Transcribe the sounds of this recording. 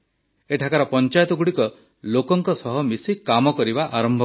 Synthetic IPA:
eʈʰakaɾɔpɔnt͡ʃajt̪ɔɡuɽikɔ | lokɔŋkɔsɔɦɔmisikamɔkɔɾibaʔaɾɔmbʱɔ

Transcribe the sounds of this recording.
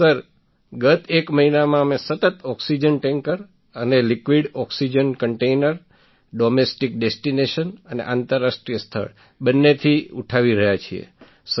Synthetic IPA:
səɾ | ɡət̪ekməɦinamãəmesət̪ət̪ɔksid͡ʒənʈẽŋkəɾ | ənelikʋiɽɔksid͡ʒənkəɳʈeinəɾ | ɖomesʈik̚ɖesʈineʃənənḛʔant̪əɾːasʈɾijəst̪ʰə̰ɭ | bənːet̪ʰiuʈʰaʋiɾəɦjat͡ʃʰiḛ | s

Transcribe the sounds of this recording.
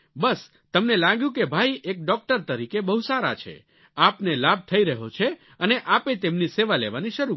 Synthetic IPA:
bəs | t̪əmnelãɡjũkebʱaiʔek̚ɖɔk̚ʈəɾt̪əɾikebəɦusaɾa̰t͡ʃʰḛ | apnelab̚t̪ʰəiɾəɦot͡ʃʰe | əneʔapet̪emniseʋalḛʋaniʃəɾu

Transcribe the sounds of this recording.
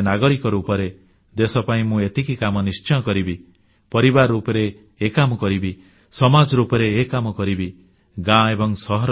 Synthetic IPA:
naɡɔɽikɔɾuːpɔɾe | d̪esɔpaĩmũet̪ikikamɔnist͡ʃɔjɔkɔɾibi | pɔɾibaɾupɔɾeː | kamɔkɔɾibi | sɔmad͡ʒɔɾupɔɾeːkamɔkɔɾibi | ɡãebɔŋsɔɦɔɾ

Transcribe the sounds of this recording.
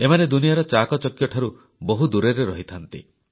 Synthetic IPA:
emaned̪unijaɾɔt͡ʃakɔt͡ʃɔkjɔʈʰaɾu | boɦud̪uɾeɾeɾɔɦit̪ʰant̪ḭ

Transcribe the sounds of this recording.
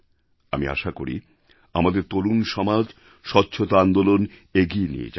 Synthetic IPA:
a̰mia̰ʃakoɾḭ | amad̪eɾt̪olunʃɔmad͡ʑ | ʃɔtːɕʰot̪oand̪oloneɡienḭḛt͡ɕa

